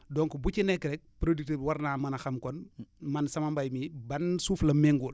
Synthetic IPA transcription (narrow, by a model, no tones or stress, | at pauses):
dɔŋkubucinɛkːɾɛk̚pɾodik̚tiwɐɾnaːmɐnɐxɐmkɔnmɐnsɐmɐmbajmibɐnsuːflɐmɛŋɡul